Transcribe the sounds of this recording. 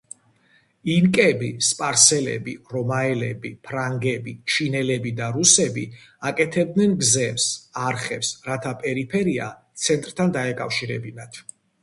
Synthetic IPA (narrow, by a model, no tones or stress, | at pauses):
inkʼɛbispʼaɾsɛlɛ̰biɾɔmaɛlɛbḭpʰɾaŋɡɛbit͡ʃʰinɛlɛbid̪aɾusɛbi | akʼɛt̪ʰɛb̚d̪nɛnɡzɛvsaɾχɛpsɾat̪ʰapʼɛɾipʰɛɾia̰t̪sʰɛnt̪ʼɾt̪ʰand̪aɛkʼa̰fʃiɾɛ̰binat̪ʰ